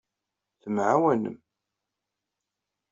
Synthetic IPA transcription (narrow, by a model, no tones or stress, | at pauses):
θəmʕawænə̰m